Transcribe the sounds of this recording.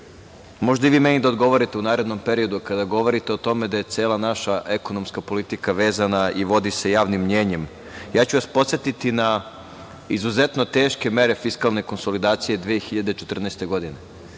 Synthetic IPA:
mo̞ʒd̪aiʋiːme̞nid̪ao̞d̪ɡo̞ʋo̞ɾit̪e̞unaːɾed̪no̞mpe̞ɾio̞d̪ukad̪aɡo̞ʋo̞ɾit̪e̞ot̪o̞me̞d̪aje̞t̪sʲjeːlˠanaʃaʔeko̞nomskapo̞lit̪ikaʋe̞ːzanaiʋo̞d̪ise̞jaːʋnimːɲe̞ːɲe̞m | jaːt͡ɕuʋaspo̞t̪sjet̪it̪ina | izuze̞t̪no̞t̪e̞ːʃke̞me̞ɾe̞fiskalˠne̞ko̞nso̞lid̪aːt̪sije̞d̪ʋijexiʎad̪et͡ʃet̪r̩nɛːst̪e̞ɡo̞d̪ine̞

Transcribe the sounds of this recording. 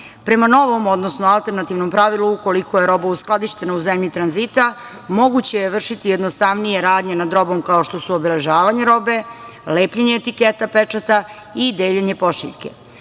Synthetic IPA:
pɾe̞mano̞ʋo̞mo̞d̪nosnoalˠt̪e̞ɾnat̪iʋno̞mpɾaʋiluuko̞likʰo̞je̞ɾo̞bausklˠad̪iʃt̪e̞nauzemʎit̪ɾanzit̪a | mo̞ɡut͡ɕe̞jeʋr̩ʃit̪ijed̪nost̪aʋnije̞ɾaːd̪ɲe̞nad̪ɾo̞bo̞mkao̞ʃt̪o̞suobele̞ʒaːʋaɲe̞ɾo̞be̞ | leːpʎeɲeːt̪iket̪apet͡ʂat̪a | id̪eːʎeɲe̞po̞ʃḭʎke̞̰

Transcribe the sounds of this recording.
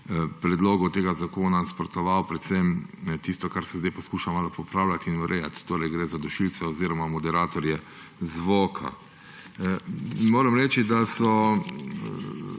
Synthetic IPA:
pɾɛd̪loːɡɔt̪eːɡazakoːnaspɾɔt̪ɔʋawpɾɛt̪sɛmt̪ist̪ɔkaɾsɛzd̪ajpɔskuːʃamaːlpɔpɾaːwlat̪inuɾɛjat̪ːoːɾɛjɡɾeːzad̪ɔʃilt̪sʋɛɔziːɾɔmamɔd̪ɛɾaːt̪ɔɾjɛ | zʋoːkʰa̰ | moːɾəmɾɛːt͡ʃid̪asɔ

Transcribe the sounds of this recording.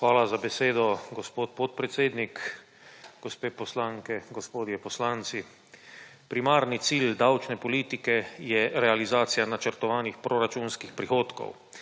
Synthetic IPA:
xʋaːlazabɛseːd̪ɔɡɔspoːt̪pot̪̚pɾɛt̪seːd̪nik | ɡ̥ɔspeːpɔslaŋkɛɡɔspoːd̪jɛpɔslant̪si | pɾimaːɾnit̪siːld̪awt͡ʃnɛpɔliːt̪ikɛjɛɾɛalizaːt̪sijanat͡ʃəɾt̪ɔʋaːnixpɾoɾat͡ʃuːnskixpɾixoːt̪kɔ̰w

